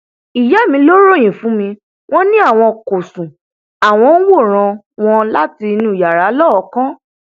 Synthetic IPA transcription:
i˨jɛ˨˦˨mĩ˧˦lo˦ɾo˦˨j̃ĩ˨fũ˨˦mĩ˧ | w̃ɔ̃˦nĩ˦a˦˨w̃ɔ̃˧ko˨sũ˨ | a˨w̃ɔ̃˧n̩˦wo˦˨ɾ̃ã˧ | w̃ɔ̃˧la˦ti˧nũ˧˨ja˨ɾa˨˦lɔ˦˨˦kã˦

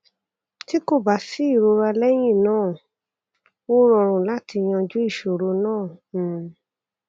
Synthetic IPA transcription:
ti˦ko˦˨ba˨si˨˦i˦˨ɾo˧ɾa˧lɛ˦j̃ĩ˦˨nãː˦˨ | wo˦ɾɔ˧˨ɾ̃ũ˨la˦ti˧j̃ã˧d͡ʒu˦i˦˨ʃo˨ɾo˧nãː˦˨

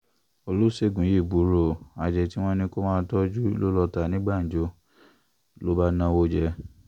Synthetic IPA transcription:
o˧lo˦se˦˨ɡũ˨˦je˦˨bu˨˦ɾo˨a˨d͡ʒɛ˨ti˦w̃ɔ̃˦nĩ˦ko˦mãː˦˧˦tɔ˦d͡ʒu˦lo˦lɔ˧ta˨nĩ˨˦ɡ͡ba˦˨n̩˨d͡ʒo˨˦ | lo˦ba˦nã˧wo˦d͡ʒɛ˧

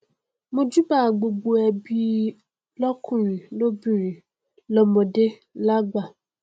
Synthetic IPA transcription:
mõ˦d͡ʒu˦ba˦˨ɡ͡bo˨bo˨ɛ˨bi˦ | lɔ˦kʰũ˦˨ɾ̃ĩ˨no˦bĩ˦˨ɾĩ˨ | lɔ˦mõ˨de˦ | la˦ɡ͡ba˨

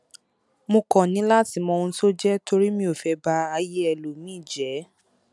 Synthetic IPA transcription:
mõ˧kɔ̃˨nĩ˨˦la˦ti˨˧˦mɔ̃˧ũ˧˦to˦d͡ʒɛ˦tʰo˧ɾi˦mĩ˧o˨fɛ˨˧ba˧a˧je˦ɛ˧lo˨mĩ˦˨d͡ʒɛ˨˦

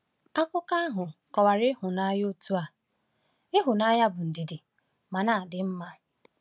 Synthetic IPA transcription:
a˦kʷʊ˦ka˦a˦ɦʊ˨kɔ˨wa˨ɾɪ˦ɦʊ˨na˦jo˦tu˦a˨ | ɪ˦ɦʊ˨na˦ja˦bʊ˨n̩˨di˨dɪ˨ | ma˨na˨dɪ˨m̩˦ma˦

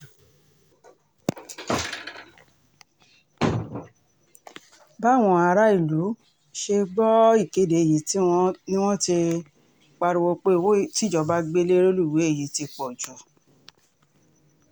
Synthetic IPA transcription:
ba˦˨w̃ɔ̃˧a˧ɾa˦i˦˨lu˨˦ | ʃe˧ɡ͡bɔ˦i˦˨ke˨˦de˨e˨ji˨˦ti˦ɔ̃˧nĩ˦w̃ɔ̃˦ti˧ | k͡pa˧ɾi˧wo˧k͡pe˦˨wti˦d͡ʒɔ˧˨ba˦ɡ͡be˦le˦ɾo˦lu˦i˨we˨˦e˦˨ji˨˦ti˧k͡pɔ˨d͡ʒu˨

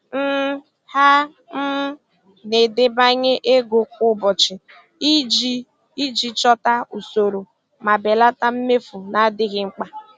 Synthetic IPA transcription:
m̩˦ | ha˦ | m̩˦ | ne˨dɪ˨ba˦ɲe˦ʔe˦ɡo˨kʊ˦bɔ˨t͡ʃɪ˨ | i˦d͡ʒi˦ | i˦d͡ʒi˦t͡ʃɔ˦ta˦u˨so˨ɾo˨ | ma˨be˨la˦ta˦m̩˦me˦fu˨na˨˦dɪ˦ɣɪ˨ŋ͡m̩˦k͡pa˦

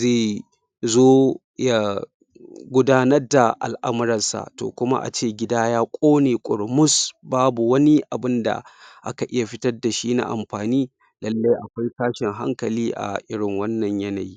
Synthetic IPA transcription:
zeː˦˨ | zoː˦ | ja˦ | ɡʷʊ˦daː˦nɐ˦rda˨ʔa̰˨lʔa̰˦mʊ˦ɾɐ˨nsa̰˨to̰ː˨kʷʊ˦ma̰˦ʔa̰˨t͡ʃeː˦˨ɡʲɪ˦daː˦jaː˦kʷʼoː˦neː˨kʷʼʊ˨ɽmʊ˦sbaː˦bu˨wɐ˦ni˦ʔa˨bɪ˦nda̰˨ʔa̰˦ka˨ʔɪ˦ja˨ɸɪ˦tɐ˦rda˨ʃiː˦na̰˦˨ʔa̰˨mɸaː˨niː˦ | lɐ˦lːa˦jʔa˨kʷa˦jsaː˦ʃɪ˨ŋɦa̰˦ŋkɐ˨liː˦ʔa̰˨ʔɪ˦ɽɪ˨ŋwɐ˦nːɐ˨ɲjɐ˦na˨jiː˦

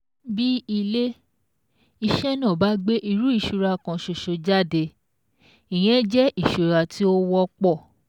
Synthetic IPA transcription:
bi˦i˧le˦ | i˧ʃɛ˦nã˦˨ba˨˦ɡ͡be˦ʔi˧ɾu˨˦i˦˨ʃu˧ɾa˧kã˧ʃo˨ʃo˨˧d͡ʒa˦˨de˧ | i˨j̃ɛ̃˨˦d͡ʒɛ˦i˦˨ʃu˨ɾa˧tʰi˦o˦wɔ˦k͡pɔ˦˨

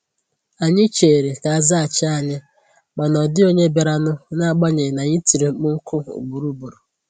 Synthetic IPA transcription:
a˨ɲɪ˦t͡ʃe˨ɾe˨ka˨a˨za˦a˨t͡ʃɪ˦a˨ɲɪ˦ | ma˨nɔ˨dɪ˦o˦ɲe˦be˨ɾa˨nʊ˦na˦a˨ɡ͡ba˦ɲe˨na˨ɲi˦ti˨ɾi˨k͡pʊ˦ŋ̩˦kʰʊ˦ṵ˨ɡ͡bu˨ɾu˦bu˨ɾu˨

